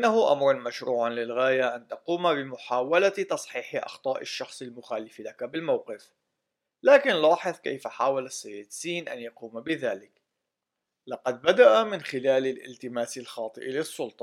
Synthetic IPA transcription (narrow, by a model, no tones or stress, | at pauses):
ʔɪnːahʊʔa̰mɾˤɑnmaʃɾuːʕanlɪlɣaːjaʔant̪ɑquːmabɪmʊħaːwalat̪ɑsˤħiːħɪʔɑ̰xt̪ˤɑːʔɪʃːɑxsˤɪlmʊxaːlɪflakabɪlmawqɪf | laːkɪnlɑːħɨðˤka̰jfaħaːwalasːajːɪd̪siːnʔa̰njɑquːmabɪðaːlɪk | lɑqɑd̪̚bad̪aʔamɪnxɪlaːlalʔɪ̰lt̪ɪmaːsɪlxɑːt̪ˤɨʔlɪsˤːʊlt̪ˤɑ̥